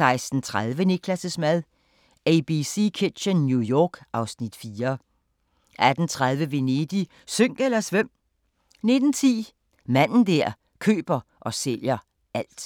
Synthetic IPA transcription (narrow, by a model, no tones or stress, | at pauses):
sɑ̈ɪsd̥n̩t͡sʰʁaðˠʋənekʰlæsəsmæð̞ˠ | eɪb̥isiːkʰed̥ɕənnjujɒːɡ̥ɑ̈ʊsnid̥fiːɐ | ʔæd̥n̩t͡sʰʁað̞ˠʋəʋe̝ned̥i | søŋ̰ɡ̥elɐsʋem̰ | ne̝d̥n̩t͡sʰḭː | mæn̰n̩d̥æɐ̰ | kʰø̰ːb̥ɐʔɒ̽seljɐ | æl̰d̥